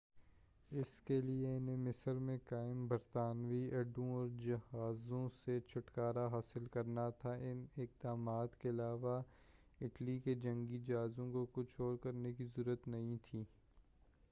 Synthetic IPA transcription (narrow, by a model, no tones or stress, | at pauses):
ɪskelieɪnemɪsəɾmẽkaːɪmbɐɾt̪aːnʋiɐɖõɔːɾd͡ʒɐhaːzõset͡ʃʰʊʈkaːɾaɦaːsɪlkɐɾnat̪ʰaʔɪnɪk̚d̪aːmaːt̪keɐlaːʋa | ɪʈliked͡ʒɐ̃ŋɡid͡ʒaːzõkokʊt͡ʃʰoːɾkɐɾnekizʊɾət̪nɐɦĩt̪ʰiː